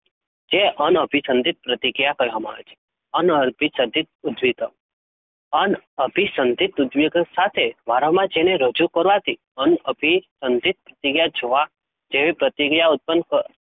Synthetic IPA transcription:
d͡ʒeʔənəbʱisə̃nd̪ʱit̪̚pɾət̪iɡijakəjɦɔmã̰t͡ʃʰe̥ | ənəɾbʱisəd̪ʱit̪̚ud̪ʋit̪ə | ənəbʱisənd̪ʱit̪ud̪ʋiɡsat̪ʰeʋaɾəmãd͡ʒeneɾəd͡ʒukəɾʋat̪i | ənəbʱisənd̪ʱit̪̚pɾət̪iɡjad͡ʒoʋa | d͡ʒeʋipɾət̪iɡjaʊt̪̚pənkə

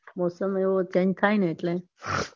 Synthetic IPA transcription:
moːsəmeʋot͡ʃend͡ʒt̪ʰajneeʈle

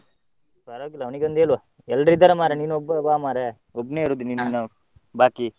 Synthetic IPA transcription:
saɾaːɡilːɐʋniɡeɐnd̪eːluʋa | ɛlːɖɾid̪ɐɾɐmaːɾeniːnuɔbːɐbaːmaːɾe | ɔbːneːiɾuːd̪uniːnnɐ | baːki

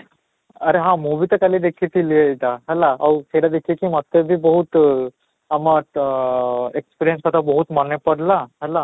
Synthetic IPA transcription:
əɾeɦãmubʱit̪əkalid̪ekʰit̪ilijeit̪aɦɛlaawseɽjad̪ekʰiekimət̪ːebʱibəɦut̪ | ama | ekspiɾijə̃nskat̪abəɦut̪mənepəɽlaɦɛla

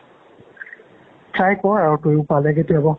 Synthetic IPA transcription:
tʰajkɔɹaɹɔkojpalɛɡetiabɔ

